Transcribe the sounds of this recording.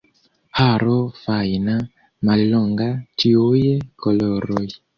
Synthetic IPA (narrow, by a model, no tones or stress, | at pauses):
haɾɔfaina | malɔŋɡatiojekɔlɔɾɔj